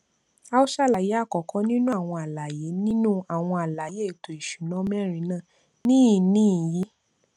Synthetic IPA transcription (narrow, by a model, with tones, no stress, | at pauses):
a˦o˦ʃa˦˨la˨je˨˦a˦˨kɔ˨kʰɔ̃˨˦nĩ˦nũ˦a˦˨w̃ɔ̃˧a˨la˨je˨˦nĩ˦nũ˦a˦˨w̃ɔ̃˧a˨la˨je˨˦˨to˨i˨ʃu˨nɔ̃˨˦mɛ˦˨ɾ̃ĩ˨˧˦nãː˦˨ | nĩ˦˨nĩ˦˨ji˨˦